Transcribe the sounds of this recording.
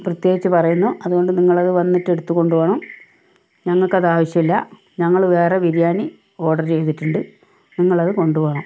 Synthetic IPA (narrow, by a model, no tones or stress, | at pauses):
prɐt̪je̞ːɡit͡ɕːɨpɐrɐjunːuʔɐðuɣo̞ɳɖɨniŋːɐɭɐðɨʋɐnːitːe̞ɽut̪ːuko̞ɳɖuʋɐɳɐm | ɲɐŋːɐɭkɐðaːʋɐɕjɐmilːɐ | ɲɐŋːɐɭʋe̞ːreʋiɾjaːni | o̞ːɽɐrt͡ɕe̞jt̪iʈːuɳɖɨ | niŋːɐɭɐðɨko̞ɳɖuʋɐɳɐm